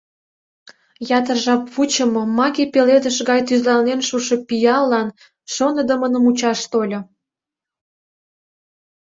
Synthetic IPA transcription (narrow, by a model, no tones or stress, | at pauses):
jɑt̪ərʒɑpβut͡ɕə̆mŏmɑɣʲepeled̪əʃɣɑjt̪yzlɑnenʃuʃĕpijɑlːɑn | ʃonə̆d̪ə̆mənəmut͡ɕɑʃt̪olʲŏ